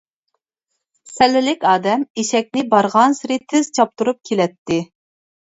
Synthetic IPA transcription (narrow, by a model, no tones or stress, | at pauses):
sɛlːɪlɪkʲɑːd̪ɛmeʃɛk̚ʲnɪbɑɾʁɑnsɪɾɪt̪ʰɪz̥t͡ʃʰɑp̚t̪uɾup̚kʲʰelɛt̪ʰːɪ